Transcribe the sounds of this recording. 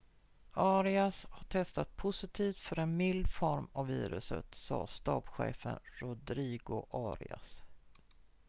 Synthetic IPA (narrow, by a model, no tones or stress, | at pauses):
ɑːɾɪashaʈʰɛst̪at̪̚pʰʊsɪt̪ʰiːft̪fœɾɛnmɪld̪fɔɾmavːiːɾɵsə̰t̪sɑ̰ːst̪ɑːbɧḛːfənɾʊd̪ɾiːɡʊʔɑːɾɪ̰as